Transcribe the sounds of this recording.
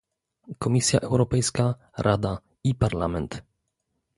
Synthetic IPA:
kɔmʲisʲja̰ʔɛwɾɔpɛjska | ɾʔad̪a | ipaɾlamɛnt̪

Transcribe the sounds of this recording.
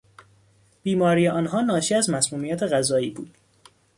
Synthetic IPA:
b̥iːmɒːɾijeʔɒːnɦɒːnɒːʃiːæzmæsmuːmijæt̪ʰeɣæzɒːiːbṵːd̪̥

